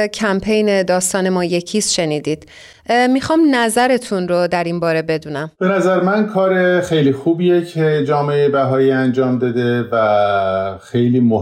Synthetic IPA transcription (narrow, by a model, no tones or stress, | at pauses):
cʰæmpʰejne̞d̪ɒːst̪ɒːne̞mɒːje̞cʰiːsʃe̞niːd̪iːd̪̥ | mixɒːmnæzæɾe̞t̪ʰunɾod̪æɾinbɒːɾe̞be̞d̪uːnæmb̥e̞næzæɾemænkʰɒːɾexejliːxuːbijecʰed͡ʒɒːmeeebæɦɒːiːænd͡ʒɒːmd̪ɒːd̪e̞væ | xejliːmo